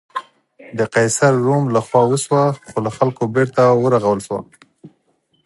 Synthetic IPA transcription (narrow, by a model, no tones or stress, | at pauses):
d̪əqɑjsaɾːomlaxwɑwəʃwaxolaxalkobeɾt̪awəɾaɣawəlʃwa̰